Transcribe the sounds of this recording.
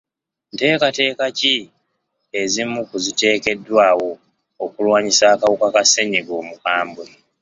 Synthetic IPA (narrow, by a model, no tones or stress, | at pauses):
nte̞ːkate̞ːkaci | ezimːukuzite̞ːke̞dːwaːwo̞ː | kulwaːɲisaːkawukakaseɲiɡo̞ːmukaːmbwe